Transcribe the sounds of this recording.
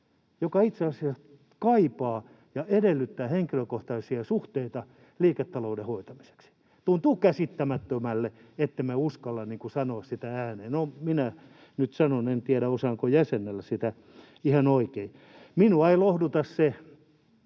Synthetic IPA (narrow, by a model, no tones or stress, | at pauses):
jokɑit̪seɑsiɑs | kɑipɑː | jɑʔedelːyt̪ːæːheŋkiløkoht̪ɑisiɑsuht̪eit̪ɑ | liːket̪ːɑloudehoit̪ɑmi̥se̥ksi̥ | t̪unt̪uːkæsit̪ːæmæt̪ːømælːeet̪ːemeuskɑlːɑnniːŋkusɑnoːssit̪ææːneːnominæ | nyt̪sɑnonent̪iæɾæosɑːŋkojæsenːˑelːæsit̪æ | ihɑnoikei | minuɑilohdut̪ɑsse